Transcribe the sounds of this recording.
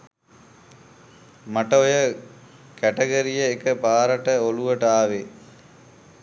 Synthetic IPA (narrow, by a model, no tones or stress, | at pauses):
mɐʈɐojə | kæʈeɡɐɾijəekəpaːɾɐʈəoluʋəʈəaːʋe